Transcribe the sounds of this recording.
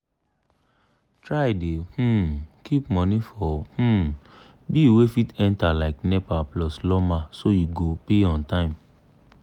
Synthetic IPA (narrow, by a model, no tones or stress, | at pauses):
tɹajdeh̩kipmɔ̃nĩfɔh̩ | biːwefitɛ̃ntalaɪknɛpaplɔslɔmãsojuɡopeɔ̃ntãɪ̃m